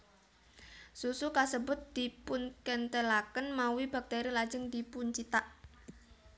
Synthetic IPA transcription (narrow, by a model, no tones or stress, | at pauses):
susukasəbʊ̤t̪̚d̪̥i̤pʊnkənt̪əlakənmawib̥a̤k̚t̪eɾilḁd͡ʒəŋd̪̥ipuɲt͡ʃit̪aʔ